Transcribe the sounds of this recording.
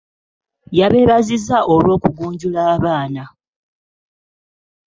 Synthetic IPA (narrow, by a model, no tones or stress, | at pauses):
jaβe̞ːβazizaʔo̞lwo̞ːkuɡuːɲɟulaːβaːna